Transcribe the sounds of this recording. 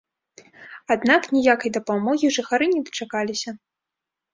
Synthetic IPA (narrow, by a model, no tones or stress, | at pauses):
ad̪naknʲijakɐjd̪ɐpamɔɣʲiʐɨxaɾɨnʲɛd̪ɐ̥t͡ʂakalʲisʲɐ